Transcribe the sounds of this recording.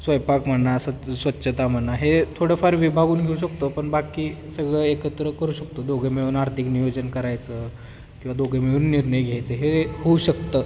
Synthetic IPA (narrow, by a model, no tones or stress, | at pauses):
sʋəjpakm̤əɳːasəsʋət̪ːɕʰət̪am̤əɳːaɦet̪ʰoɽəfaɾʋibʱaɡuːnɡʱeuɕəkt̪əpəɳbakiːsəɡɭəekət̪ɾəkəɾuːɕək̚t̪od̪oɡʱemeuːnaɾt̪ʰiknijod͡ʑənkəɾajt͡sə | kĩw̃ʋad̪oɡʱemeuːnːiɾɳəjɡʱjajt͡səːɦeɦouɕəkt̪ə